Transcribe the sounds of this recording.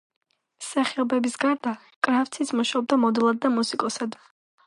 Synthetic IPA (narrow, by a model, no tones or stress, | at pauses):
saχibɛbisɡaɾd̪a | kʼɾaft̪sʰit̪sʰmuʃaɔb̚d̪amɔd̪ɛlˠad̪̚d̪ːamusikʼɔsad̪